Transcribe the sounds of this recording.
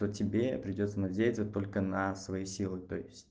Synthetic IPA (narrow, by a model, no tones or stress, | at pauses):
t̪otʲɪbʲe̞pɾʲɪdʲo̞t̪sənɐdʲejɪt̪ət̪o̞lʲkənɐsvɐjisʲilˠɨt̪o̞̰jɪsʲtʲ